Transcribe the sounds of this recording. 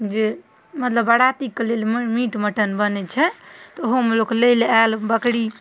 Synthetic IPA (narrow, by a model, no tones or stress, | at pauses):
d͡ʒe | mət̪ləbəɽat̪ikːelelmmiʈməʈənbənɛt͡ʃʰɛt̪ɔɦomelokləjlealbəkɽi